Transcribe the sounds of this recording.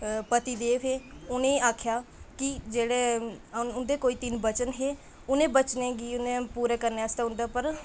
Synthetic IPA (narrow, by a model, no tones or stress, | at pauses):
pət̪iːd̪eːʋɦeːʊnẽːaːkʰjaːkɪd͡ʒeːɽeːʊnd̪eːkoːiːt̪ɪnbət͡ʃənɦeː | ʊnẽːbət͡ʃnẽːɡiːʊnẽːpuːɾeːkəɾneːəst̪aːɦʊ̃nd̪aːpəɾ